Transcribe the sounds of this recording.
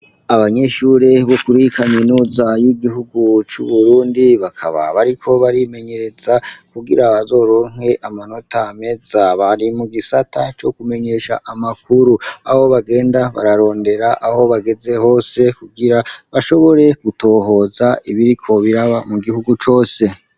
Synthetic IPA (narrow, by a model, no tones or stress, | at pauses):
aβaɲe̞ʃuɾe̞βo̞kuɾihikaminuːzajiɡiɦuɡut͡ʃṵβuɾuːndiβakʰa̰βa̰βaɾikʰo̞βaɾime̞ɲe̞ɾe̞zakuɡiɾaβazo̞ːɾo̞ːnhwe̞ʔamano̞tame̞zaβaɾimuɡisatat͡ʃo̞kume̞ɲe̞ʃa̰ʔamakʰuɾuaho̞βaɡe̞ːndaβa̰ɾaɾo̞ːnde̞ɾaʔːho̞βaɡe̞ze̞ho̞ːse̞kuɡiɾaβaʃo̞βo̞ɾe̞ɡ̥uto̞ːɦo̞ːzaiβiɾikʰo̞βiɾaβamuɡihuɡut͡ʃo̞ːse̞